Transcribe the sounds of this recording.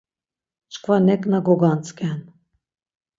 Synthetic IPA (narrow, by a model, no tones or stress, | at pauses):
t͡ʃkvanɛkʼnaɡɔɡant̪t͡s̪ʰʼkʲɛn